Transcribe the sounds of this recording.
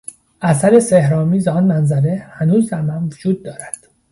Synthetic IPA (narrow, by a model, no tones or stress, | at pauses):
ʔæsæɾe̞sehɾɒːmiːzɒːnmænzæɾe̞hænuːzd̪æɾmænvod͡ʒuːd̪̚ːɒːɾæd̪̥